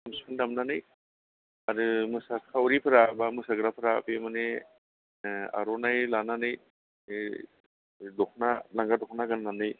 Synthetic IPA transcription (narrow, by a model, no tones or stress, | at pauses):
amsɯndamnanɯj | aɾɯmɯsakʰawɾipʰɯɾabamɯsaɡɾapʰɯɾapemane | a̰ɾɔnajlananɯj | dɔkʰnalaŋɡadɔkʰnaɡanlanɯj